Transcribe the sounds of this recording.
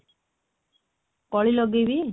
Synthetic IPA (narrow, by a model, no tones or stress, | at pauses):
kɔɭilɔɡebi